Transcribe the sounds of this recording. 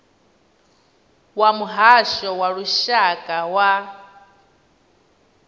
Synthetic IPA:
wamuɦaʃɔwaɺuʃakʼawa

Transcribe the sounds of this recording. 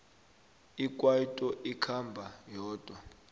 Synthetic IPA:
ik̬ʼwajitʼɔʔikʰambʱajɔːd̥ʱwa

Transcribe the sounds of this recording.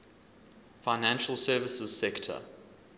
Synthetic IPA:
faɪnæ̃nʃəlˠsɜːvɪsəz̥sɛktʰə̰

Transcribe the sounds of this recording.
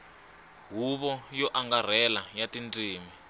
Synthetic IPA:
ɦuβɔjɔʔaŋɡar̤ɛlajatintʼiːmi

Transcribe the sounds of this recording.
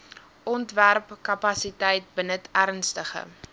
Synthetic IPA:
ʔɔntværpkɐpɐsitɛjt̚bənətʰærnstəχə̰

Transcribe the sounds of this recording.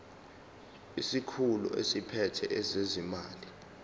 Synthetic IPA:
isikʰulṵʔḛsipʰɛtʰɛʔɛzezimaːli

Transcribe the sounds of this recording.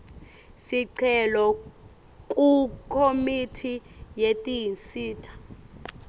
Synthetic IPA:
siǀʰɛlɔ | kʼukʰomitʰijetʼijinsiːtʰḁ

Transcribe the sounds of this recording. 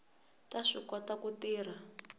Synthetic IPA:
taʂikwatakutiːr̤a

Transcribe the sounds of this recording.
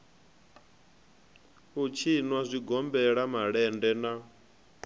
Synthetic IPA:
ut͡ʃʰinwazʷiɡɔmbɛɺamaɺɛndɛna

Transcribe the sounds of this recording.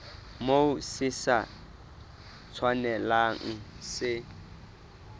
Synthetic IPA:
moʊsɪsa | t͡sʰwanɛlaŋ̩sɪ

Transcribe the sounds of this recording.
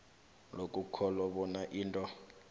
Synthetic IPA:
lokʼukʰɔlɔɓɔnaʔiːntʼɔ

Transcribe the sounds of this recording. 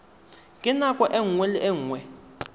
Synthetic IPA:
kʼɪnakʼɔʔɛŋ̩wɛliʔɛŋ̩ːwɛ

